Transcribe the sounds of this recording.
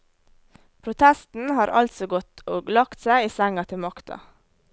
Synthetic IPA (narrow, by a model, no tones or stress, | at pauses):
pʰɾʊt̪ʰɛst̪n̩hɑːɾʔɑ̰lt̪sɔɡɔt̪oːɡlɑkt̪sæɪiːsæŋɑt̪ʰɪmɑkt̪ɑ̰